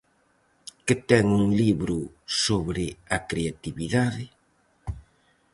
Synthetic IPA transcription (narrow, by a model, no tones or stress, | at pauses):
kɪt̪ɛŋuŋliβɾʊ | soβɾɪɐkɾeat̪iβiðaðɪ